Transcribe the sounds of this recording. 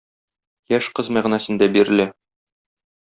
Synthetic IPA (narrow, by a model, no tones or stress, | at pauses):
jæʃqɤzmæʁnæsɘ̆nd̪æbiɾɘ̆lɘ